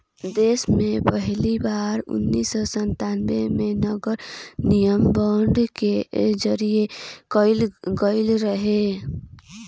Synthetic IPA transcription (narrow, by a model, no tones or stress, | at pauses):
d̪eːsmẽpəɦlibaːɾʊ̰nːiːsɔsə̃nt̪aːnʋemẽnəɡəɾnijəmbɔːɳɖked͡ʒəɾiekəɪlɡəɪlɾəɦe